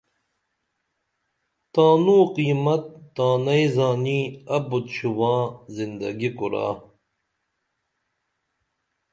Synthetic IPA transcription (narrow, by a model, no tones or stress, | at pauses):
t̪aːnuːqiːmɐt̪̚ːaːnɐjzaːniɐbut̪ɕuwãːzind̪ɐ̰ɡikuɾa̰ː